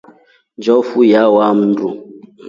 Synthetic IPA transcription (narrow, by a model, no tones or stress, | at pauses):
nd͡ʒɔfujawam̩ndu